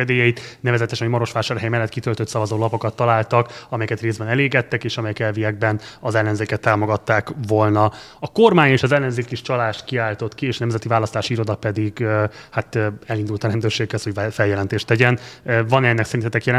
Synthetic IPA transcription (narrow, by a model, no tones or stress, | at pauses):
ɛd̪eːjɛjit̪nɛvɛzɛt̪ɛʃɛmɒɾo̞ʃʋaːʃaːɾɦɛjmɛlːɛt̪ːkit̪ølt̪ø̞t̪sɒvɒzoːlɒpo̞kɒt̪ːɒlaːlt̪ɒkɒmɛjɛkɛt̪reːzbɛnɛleːɡɛt̪ːɛkeːʃɒmɛjɛkɛlviɛɡ̚bɛnɒzɛlːɛnzeːkɛt̪ːaːmo̞ɡɒt̪ːaːkvo̞lnɒ | ɒko̞rmaːɲeːʃɒzɛlːɛnzeːkiʃt͡ʃɒlaːʃt̪kiaːlt̪o̞t̪kieːʃɒnɛmzɛt̪ivaːlɒst̪aːʃiiɾo̞d̪ɒpɛd̪iɡhat̪ːɛlind̪ult̪ɒɾɛnd̪øːrʃeːkhɛsho̞ɟfɛljɛlɛnt̪eːʃt̪ɛɟɛnvɒnɛnːɛksɛɾinɛt̪ɛkjɛlɛ